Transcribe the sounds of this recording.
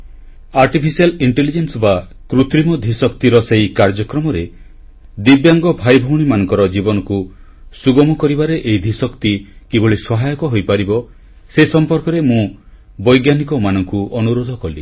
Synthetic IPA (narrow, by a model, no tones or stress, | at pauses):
aɾʈipʰisialiɳʈelid͡ʒensba | kɾut̪ɾimɔd̪ʱisɔkt̪iɾɔseikaɾd͡ʒɔkɾɔmɔɾe | d̪ibjaŋɡɔbʱajbʱɔwɽ̃imanɔ̃ŋkɔɾɔd͡ʒibɔnɔku | suɡɔmɔkɔɾibaɾeʔeid̪ʱisɔkt̪ikeboɭisɔɦajɔkɔɦojpaɾibɔ | sesɔmpɔɾkɔɾemũ | bɔjɡjanikɔmanɔŋkuʔɔnuɾod̪ʱɔkɔli